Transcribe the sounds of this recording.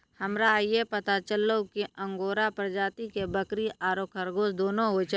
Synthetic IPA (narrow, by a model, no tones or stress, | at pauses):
hɐmɾajepɐt̪at͡ʃəlːokiʔə̃ŋɡoːɾapɾd͡ʒaːt̪ikebəkɾiaːɾoːkʰɐɾɡoːsd̪oːnõɦot͡ʃʰ